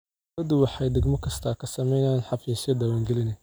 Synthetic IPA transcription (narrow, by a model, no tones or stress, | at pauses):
ɐd̪ʊwɑħɑjd̪ɐɡmɔkʰɐst̪ʰɐːkʰɐsɐmɛjnaːnħɑfiːsjɐd̪aːwaːŋɡɛlɪnɛ